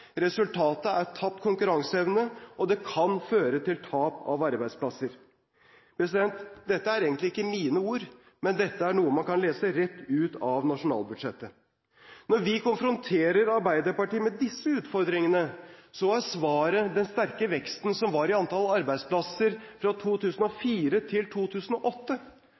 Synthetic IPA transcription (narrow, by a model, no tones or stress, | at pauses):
ɾɛsʉlt̪ʰɑːt̪əæt̪ʰːɑpt̪kʰʊŋkʉɾɑŋsəɛʋnəʔɔd̪ɛkʰɑnføːɾət̪ɪlt̪ʰɑːpɑ̰ʋɑɾbæɪd̪spʰlɑsːəɾ | pʰɾɛsɪd̪ɛnt̪d̪ɛt̪ːəæɾeːɡənt̪lɪɪkːəmiːnəuːɾ | mɛnd̪ɛt̪ːəæɳuːəmɑnkɑnleːsəɾɛt̪ːʉːt̪ʰɑʋnɑʂʊnɑ̰ːlˠbʉd̪ʂɛt̪ːə | nɔɾʋɪkʰʊnfɾʊnt̪ʰeːɾəɾɑɾbæɪd̪əɾpɑʈiːəmɛd̪ɪsːəʉːt̪fɔɾd̪ɾɪŋənəsɔæsʋɑːɾəd̪ɛnst̪æɾkəʋɛkst̪nsɔmʋɑɾɪɑnt̪ʰɑlɑɾbæɪd̪spʰlɑsəɾfɾɑt̪ʰuːt̪ʰʉːsənɔfiːɾət̪ʰɪlt̪ʰuːt̪ʰʉːsən̩ɔʔɔt̪ːə